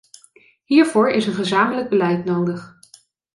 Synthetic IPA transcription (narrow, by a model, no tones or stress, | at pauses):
ɦiːɹvʊːɹɪsənχəzaːmələk̚bəlɛjtnowdəχ